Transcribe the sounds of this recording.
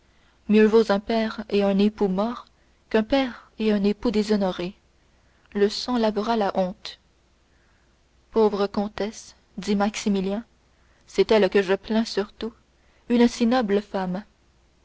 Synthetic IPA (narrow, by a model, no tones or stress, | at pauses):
mjøvozɛ̃pɛːʁeœ̃nepumɔːʁ | kœ̃pɛːʁeɛ̃nepud̪ezɔnɔʁe | ləsɑ̃lavəʁalaʔɔ̃ːt̪ | poːvʁəkɔ̃t̪ɛs | d̪imaksimiljɛ̃ | sɛt̪ɛlkəʒəplɛ̃syʁt̪u | ynsinɔbləfam